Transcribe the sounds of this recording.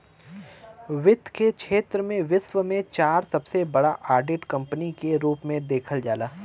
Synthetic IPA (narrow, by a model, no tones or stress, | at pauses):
ʋɪt̪ːkekʰʃʰeːt̪ɾəmẽʋɪsʋəmẽt͡ʃaːɾsɐbsebɐɽaʔaːɾɖeːʈkɐ̃mpənikeɾuːpmẽd̪eːkʰəld͡ʒaːlaː